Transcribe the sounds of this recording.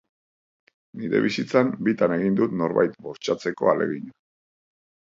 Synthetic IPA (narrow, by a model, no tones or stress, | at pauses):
niɾe̞βisit͡sambit̪ane̞ɣind̪ut̪no̞ɾβa̰jt̪bo̞st͡ʃat͡se̞ko̞̰alʔe̞̰ɣiɲa